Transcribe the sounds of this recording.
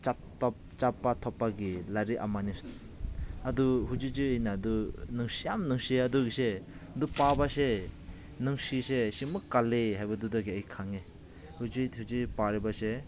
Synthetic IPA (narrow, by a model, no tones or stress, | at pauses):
t͡ʃatɔp̚ | t͡ʃapːat̪ʰɔpːaɡilaɾiʔa̰manis | ad̪uɦud͡ʒid͡ʒɯinad̪unɯŋsijamnɯŋsiead̪uɡised̪upabase | nɯŋsisesimɯkaleɦajbad̪ud̪aɡiaikʰaŋe | hud͡ʒihud͡ʒipaɾibase